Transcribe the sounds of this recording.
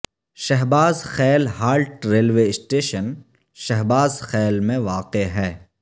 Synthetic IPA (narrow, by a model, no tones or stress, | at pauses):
ʃɛɦbaːzxɛːlhaːlʈɾeːlʋeːɪsʈeːʃən | ʃɛɦbaːzxɛːlmẽʋaːqeɦɛː